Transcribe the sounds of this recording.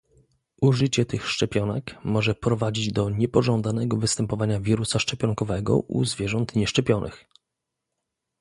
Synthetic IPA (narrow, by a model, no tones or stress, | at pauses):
ʔuʐɘt͡ɕɛt̪ɘxʂt͡ʂɛpʲjɔnɛkmɔʐɛpɾɔvad͡ʑid͡ʑd̪ɔɲɛpɔʐɔnd̪anɛɡɔvɘst̪ɛmpɔvaɲavʲiɾusaʂt͡ʂɛpʲjɔŋkɔvɛɡɔ̰ʔṵzvʲjɛʐɔnt̪ɲɛʂt͡ʂɛpʲjɔnʔɘ̰x